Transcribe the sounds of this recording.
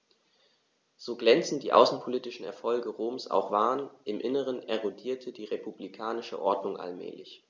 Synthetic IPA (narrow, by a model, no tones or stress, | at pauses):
z̥oːɡlɛnt͡sn̩d̥iːʔa̰ʊsn̩pʰoliːtɪʃn̩ɛ̰ɐfɔlɡəʁoːmsa̰ʊxv̥aːɐʁənʔɪmʔɪnəʁ̞ənɛʁodiːɐtʰədiːʁepublikʰaːnɪʃə̰ʔɔɐdnʊŋʔa̰lmɛ̰ːlɪç